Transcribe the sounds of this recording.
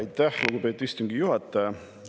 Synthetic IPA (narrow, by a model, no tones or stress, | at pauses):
jt̪ːæhluɡube̞t̪ːˑist̪uŋɡ̥ijuhɑt̪ːˑɑj